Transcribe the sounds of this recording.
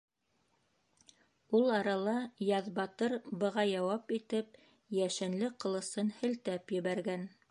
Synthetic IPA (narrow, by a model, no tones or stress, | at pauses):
ulˠɑɾɑlˠɑjɑðbɑt̪ɤɾbɤ̆ʁɑjɑwɑpit̪ɘp̚ | jæʃɘ̆nlɘqɤ̆lˠɤ̆sɤnhɘ̆lt̪æpjɘ̆βæɾɡæn